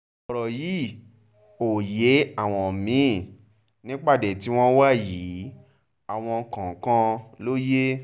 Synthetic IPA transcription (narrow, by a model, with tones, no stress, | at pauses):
ɔ˨ɾɔ˨ji˨˦ | o˨je˨˦a˦˨w̃ɔ̃˧˨mĩ˨˦˨ | nĩ˦k͡pa˦˨dɛ˨ti˦w̃ɔ̃˦wa˦˨ji˨˦ | a˨w̃ɔ̃˧kã˨˦kã˦lo˦je˦